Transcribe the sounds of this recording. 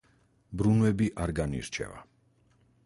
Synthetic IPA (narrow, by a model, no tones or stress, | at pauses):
bɾunvɛbiʔaɾɡanḭɾt͡ʃʰɛ̰va̰